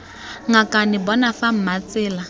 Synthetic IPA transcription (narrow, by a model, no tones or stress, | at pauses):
ŋakʼanɪbɔnafam̩mat͡sʼɪːla